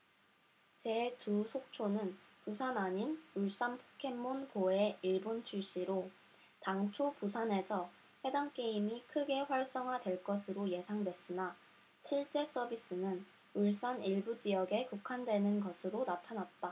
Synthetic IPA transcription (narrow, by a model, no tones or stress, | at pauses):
t͡ɕe̞tusʰok̚t͡ɕʰonɯnpusʰanaɲinuɭs͈anpʰo̥kʰe̞mːonkoe̞iɭbont͡ɕʰuɭɕ͈iɾo | taŋt͡ɕʰopusʰane̞sʰʌ | ɸe̞daŋk͈e̞imikʰɯɡe̞ɸwaɭs͈ʌŋɦadwe̞ɭk͈ʌsʰɯɾoje̞sʰaŋdwe̞s͈ɯna | ɕʰiɭt͡ɕ͈e̞s͈ʌbis͈ɯnɯn | uɭs͈aniɭbud͡ʑijʌɡe̞kukʰandwe̞nɯnɡʌsʰɯɾonatʰanat̚t͈a